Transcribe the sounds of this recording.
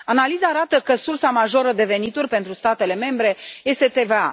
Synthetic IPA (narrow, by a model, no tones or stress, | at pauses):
analizaːɾat̪əkəsursamaʒo̞ɾəd̪e̞ve̞nit̪urʲpe̞nt̪ɾust̪at̪e̞le̞me̞mbɾe̞je̞st̪e̞t̪e̞ve̞a̰